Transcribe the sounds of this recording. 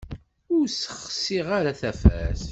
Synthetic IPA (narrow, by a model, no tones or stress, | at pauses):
ʊɾsə̥χsiʁaɾaθæfæs